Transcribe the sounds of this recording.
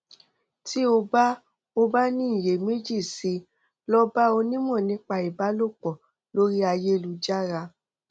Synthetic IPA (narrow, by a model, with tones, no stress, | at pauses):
ti˦o˧ba˦ | o˧ba˦nĩ˦˨je˨me˦d͡ʒi˦˨si˧˦ | lɔ˦ba˦o˧nĩ˦mɔ̃˦˨nĩ˨˦k͡pa˧i˨ba˨˦lo˦˨k͡pɔ˨ | lo˦ɾi˦a˧je˦˧lu˨˧˦d͡ʒa˦ɾa˧